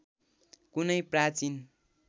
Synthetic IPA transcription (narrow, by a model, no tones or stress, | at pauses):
kunʌjprat͡sin